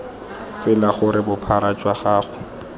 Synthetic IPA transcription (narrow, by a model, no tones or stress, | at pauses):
sɪlaχʊɾɪbʊpʰaɾat͡ʃʼwaχaːχʊ